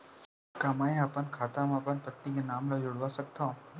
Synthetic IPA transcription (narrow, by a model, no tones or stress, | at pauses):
kaːmaːiaːpənkʰaːt̪amapənpət̪nikenaːmlod͡ʒʊɽʋasɐk̚t̪aũː